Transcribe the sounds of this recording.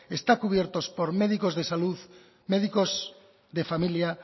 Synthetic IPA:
est̪akuβ̞jeɾt̪ospoɾmeðikozðesaluð | meðikoz | ðefamilja

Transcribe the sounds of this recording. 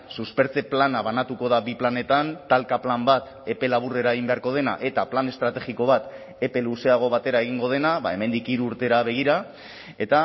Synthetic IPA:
suspe̞ɾt͡se̞planaβanat̪uko̞ð̞abiplane̞t̪ant̪alkaplambat̪ | e̞pe̞laβ̞ure̞ɾaeɣimbe̞aɾko̞ð̞e̞na̰ʔe̞t̪aplane̞st̪ɾat̪e̞ɣiko̞β̞at̪ | e̞pe̞luse̞aɣ̞o̞β̞at̪e̞ɾae̞ɣ̞iŋɡo̞ð̞e̞naβa̰e̞me̞nd̪ikiɾuːɾt̪e̞ɾaβ̞e̞ɣ̞iɾa | e̞t̪a

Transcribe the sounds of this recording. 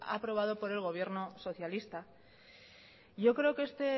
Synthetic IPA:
a̰pɾo̞β̞að̞opo̞ɾe̞lɣ̞o̞β̞je̞ɾno̞so̞θjalist̪a | ʝo̞kɾe̞okeest̪e̞

